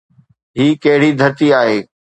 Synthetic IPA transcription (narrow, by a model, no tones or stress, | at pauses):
ɦiːkɐɦɪɽid̪ʱɐɾt̪iaːɦeː